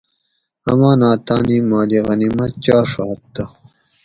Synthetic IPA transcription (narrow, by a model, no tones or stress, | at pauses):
ɐ̰maːnaːt̪aːnimaːliɣɐnimɐt͡ɕaːʂaːt̪t̪ɐ